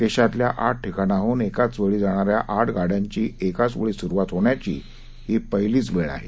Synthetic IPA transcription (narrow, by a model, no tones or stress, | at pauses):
k̪eɕat̪ljaʔaʈ̚ʈʰikañaɦuːnekat͡sʋəɭiːd͡zaɽ̃aɾjaʔaʈɡaɽjaɲt͡ɕiːekat͡sʋəɭiːsuɾʋat̪ɦoɳjat͡ɕḭː | ɦipəɦjliːt͡sʋeɭa̰ɦe